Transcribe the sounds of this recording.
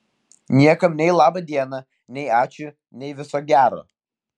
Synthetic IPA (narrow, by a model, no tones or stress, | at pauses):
nʲiɛkɐmnʲɛɪlˠɑːbɐd̪ʲiɛnɐ | nʲɛɪɑːt͡ʃʲʊ | nʲɛɪʋʲɪsoːɡʲæːɾo̰ː